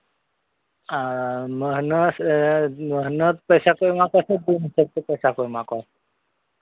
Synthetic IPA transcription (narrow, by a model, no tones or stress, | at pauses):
aməɦnəsməɦnəd̪̚pəjsakoimakoased̪insək̚t̪epəjsakoimakoase